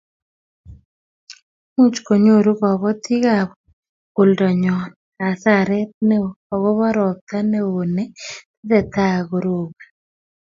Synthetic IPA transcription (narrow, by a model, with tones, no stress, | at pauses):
mu˦t͡ʃko˨ɲo˦˨ɾu˦ɣɔ˨βɔ˦ti˦ɣaβɔ | ko˨ldɔ˨ɲɔn | a˨saɾe˦ne˦ | ɔ˨ɣo˦βɔ˦ɾɔ˨k̚t̪a˦neo˨ne˦te˦ðe˨ta˦ɣo˨ɾoɣa